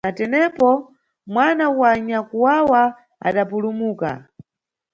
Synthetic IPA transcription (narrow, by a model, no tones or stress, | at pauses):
natɛnɛpɔ | mwanawaɲakuwawa | a̰ɗapulumuːka̰